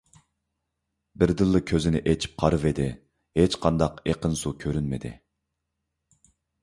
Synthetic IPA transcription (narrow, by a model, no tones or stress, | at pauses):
bɪɾd̪ɨlˠːɨkʲʰøzɪnɪʔet͡ʃʰi̥p̚qʰɑɾɨved̪ɪ | het͡ʃqʰɑnd̪ɑqeqənsukʲʰøɾynmɪd̪ɪ̰